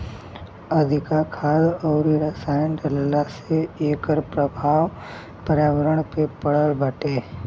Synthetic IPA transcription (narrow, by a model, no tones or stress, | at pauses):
əd̪ʱɪkakʰaːlɔːɾiɾəsaːjnɖəllaseeːkəɾpɾəbʱaːw | pəɾjaːʋəɾəɳ̃pepəɽ̤əlbəʈeː